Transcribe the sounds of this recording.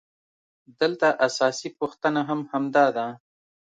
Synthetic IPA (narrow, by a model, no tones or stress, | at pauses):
d̪əlt̪aʔasɑsipuxt̪ənaɦamhamd̪ɑd̪a